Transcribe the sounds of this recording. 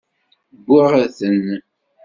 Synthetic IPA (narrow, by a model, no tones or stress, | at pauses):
bːʊʁaθən